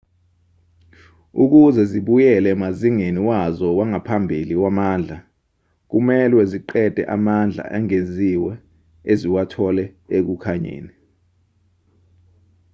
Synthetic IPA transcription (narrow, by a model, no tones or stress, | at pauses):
uk̬uzɛziɓujɛlɛmaziŋeniwazɔwaŋapʰambʱiliwamaːnd͡ɮʱa | k̬umɛlwɛziǃɛd̥ʱɛ̰ʔamand͡ɮʱa̰ʔɛŋeziwɛ | eziwatʰɔlɛek̬ukʰaɲḛːni